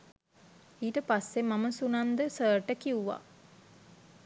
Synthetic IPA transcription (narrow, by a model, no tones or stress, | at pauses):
iːʈəpasːemaməsunand̪əsəːɾʈəkiuʋa̰